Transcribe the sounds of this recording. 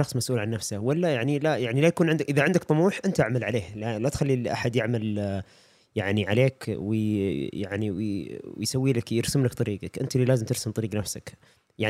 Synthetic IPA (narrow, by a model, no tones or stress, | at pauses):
ɑxsˤmasʔuːlʕanːafsahwalːajaʕnilajaʕnilajakuːnʕɪnd̪akʔɪðaʕɪnd̪akt̪ˤɑmuːħʔɪnt̪ʔaʕmalʕaleːhlalat̪xalːilʔa̰ħad̪jɪʕmal | jaʕniʕaleːkwɪjaʕniww̰jsawːiːlakjɪɾsʊmlakt̪ˤɑɾiːɡakʔɪnt̪aliːlaːzɪmt̪ɪɾsʊmt̪ˤɑɾiːɡnafsak | jaʕ